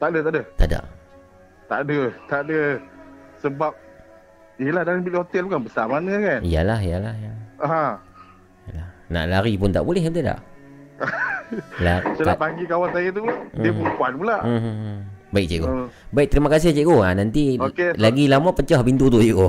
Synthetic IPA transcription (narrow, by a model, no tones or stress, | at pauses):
t̪aʔdət̪aʔdət̪ada̰ʔ | t̪a̰ʔdət̪aʔdə | səbap̚ | ijəlahdaŋanbitot̪ɛlpukanbəsamanəkanija̰laɦijalahijaɦa | alahna̰ʔlaɾipʊnt̪aʔbulɛhnt̪ada̰ʔ | lat͡ʃəlapaŋɡikawant̪ajit̪uiəpunkuanpulaʔ | baik̚t͡ʃeʔɡobaɪk̚t̪əɾimakas̬ɪht͡ʃeʔkoanant̪iokelaɡilamaʔpət͡ʃahpint̪ut̪uʔjeko